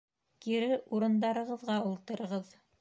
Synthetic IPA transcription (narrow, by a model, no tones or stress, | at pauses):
kiɾɘuɾɤ̆nd̪ɑɾɤ̆ʁɤ̆ðʁɑulˠt̪ɤ̆ɾɤ̆ʁɤð